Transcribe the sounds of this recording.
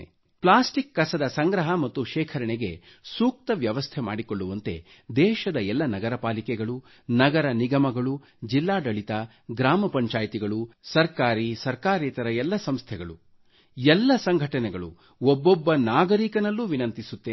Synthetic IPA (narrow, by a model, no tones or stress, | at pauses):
plaːsʈikːɐsɐd̪ɐsɐŋɡɾɐɦɐmɐt̪ːuʃɛːkʰɐɾɐɳeɡe̞ | suːk̚t̪ɐʋjɐʋɐst̪ʰema̰ːɽikoɭːuʋɐnt̪e̞̰ | d̪ɛːʃɐd̪ɐɛlːɐnɐɡɐɾɐpaːlikɛɡɐɭu | nɐɡɐɾɐniɡɐmɐɡɐɭu | d͡ʒilːaːɖɐɭit̪ɐ | ɡɾaːmɐpɐɲt͡ʃaːjt̪iɡɐɭusɐɾkaːɾisɐɾkaːɾiːt̪ɐɾɐɛlːɐsɐmst̪ʰɛɡɐɭu | ɛlːɐsɐŋɡʱɐʈɐnɛɡɐɭu | ɔbːɔbːɐnaːɡɐɾikɐnɐlːuʋinɐnt̪isut̪ːe